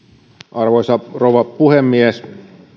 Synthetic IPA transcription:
ʔɑrʋojsɑroʋɑpuhemːies

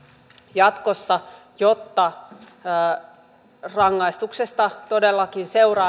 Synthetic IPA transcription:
jɑt̪ko̞sːɑ | jot̪ːɑː | rɑŋːɑist̪uksest̪ɑt̪o̞delːɑkinse̞wrɑ

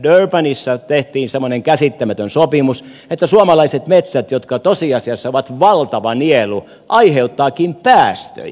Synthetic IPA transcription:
dørpænisːɑt̪eht̪iːnsemːˑoneŋkæsit̪ːæmæt̪ønsopimus | et̪ːæsuɑmɑlɑiset̪met̪sæt̪jot̪kɑt̪osiɑsiɑsːɑoʋɑt̪ʋɑlt̪ɑʋɑnielu | ʔɑiheut̪ːɑːkiːmpæːst̪ø̰j

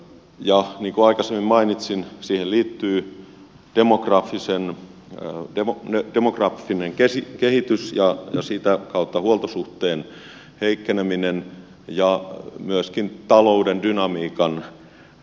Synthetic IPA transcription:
jɑniːŋkuɑikɑsemːimmɑinit̪sinsiːhelliːt̪ːyː | d̥emokrɑfːisen | demoned̥emokrɑfːineŋkesikehit̪ysjɑjɑ̰siːt̪ækɑut̪ːɑhuolt̪osuht̪eːn | heikːeneminen | jɑmyəskint̪ɑloudendynɑmiːkɑn

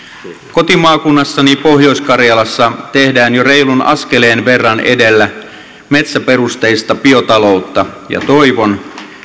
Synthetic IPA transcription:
ko̞t̪imɑːkunːɑsːɑnipo̞ɦjo̞iskɑrjɑlɑsːɑt̪e̞hdæːnjore̞ilunʔɑ̰sk̟eleːnʋe̞rːɑnḛde̞lːæ | met̪sæpe̞rust̪eist̪ɑpio̞t̪ɑlo̞ut̪ːɑ | jɑ̰t̪oiʋon

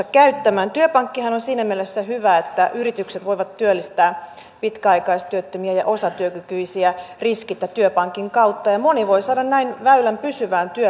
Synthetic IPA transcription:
ɑkæyt̪ːæmæːnt̪yøpɑŋkːihɑnonsiːnæmielesːæhyʋæet̪ːæʔyrit̪ykset̪ʋoiʋɑt̪tyølːist̪æː | pit̪kæɑikɑist̪yøt̪ːømiæjɑ̰ʔosɑt̪yøkykyisiæriskit̪ːæt̪yøpɑŋkiŋkɑut̪ːɑjɑmoniʋoisɑːdɑnnæinʋæylæmpysyʋæːnt̪yø

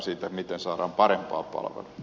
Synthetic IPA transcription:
siːt̪æmit̪ensɑːɾɑːmpɑɾempɑ̰ːpɑ̰lʋḛlu

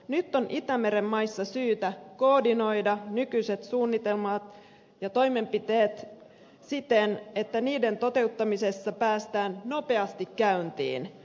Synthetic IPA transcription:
nyt̪ːo̞nʔit̪æme̞ɾemːɑjsːɑsyːt̪æko̞ːdino̞jdɑnykyjse̞t̪suːnːit̪e̞lmɑt̪ | jɑt̪o̞jme̞mpit̪e̞ːt̪ | sit̪e̞ne̞t̪ːæniːde̞nt̪o̞t̪e̞ut̪ːɑmise̞sːɑpæːst̪æːnno̞pe̞ɑst̪ikkæynt̪ḭːn

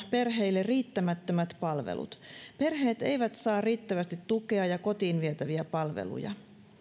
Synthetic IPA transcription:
pe̞rɦe̞ijlːeriːt̪ːæmæt̪ːømæt̪pɑlʋḛlṵt̪pe̞rɦe̞ːt̪e̞jʋæt̪sɑːrriːt̪ːæʋæst̪it̪tuke̞ɑjɑko̞t̪iːnʋiet̪æʋiæpɑlʋḛlṵjɑ̰

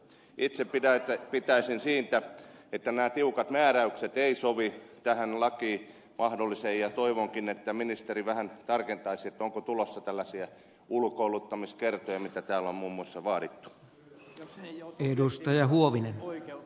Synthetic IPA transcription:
ʔit̪seppitæt̪pit̪æisinsiːnt̪æet̪ːænæːt̪iukɑt̪mæːræykset̪eisoʋit̪æhænlɑkiː | mʔɑhdolːisejjɑt̪oiʋoŋkinet̪ːæminist̪eriʋæhænt̪ɑrkent̪ɑisiet̪ːoŋkot̪ulosːɑt̪ælːæsiæ | ulkoulut̪ːɑmiskert̪ojɑmit̪æt̪æːlommuːmːuɑsːɑʋɑːɾit̪ːu̥ | edust̪ɑjɑhuoʋinen

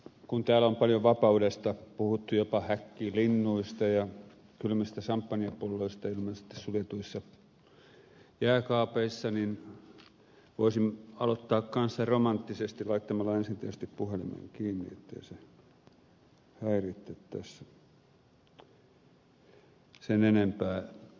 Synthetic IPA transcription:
kunt̪æːlompɑljoʋɑpɑudest̪ɑpuhut̪ːujopɑhækːiːlinːuist̪ɑjɑ | kylmæsis̆t̪æsɑmpːɑniɑpulːoist̪ɑilmɑnsi̥t̪ːe̥ssulet̪uisːɑ | jæːkɑːpeisːɑnin | ʋoisimɑlot̪ːɑːkkɑnsːɑromɑnt̪ːisest̪ilɑit̪ːɑmɑlːɑensint̪esest̪ippuhelḭmḛŋkiːnːḭḛt̪ːḛise | hæirit̪ːet̪ːæsæ | senenempæː

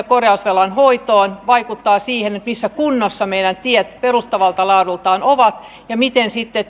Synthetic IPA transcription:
korjɑusʋelɑnhoit̪oːnʋɑikut̪ːɑːsiːhenet̪misːækunːosːɑmeidænt̪iɛt̪perust̪ɑʋɑlt̪ɑlɑːdult̪ɑːnoʋɑt̪ | jɑmit̪ensit̪ːe

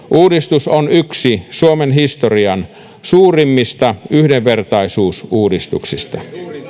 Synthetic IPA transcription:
ʔuːdist̪usonyksisuomenhist̪oriɑn | suːrimːist̪ɑyhdeʋʋert̪ɑisuːsuːdist̪ṵksist̪ɑ̰

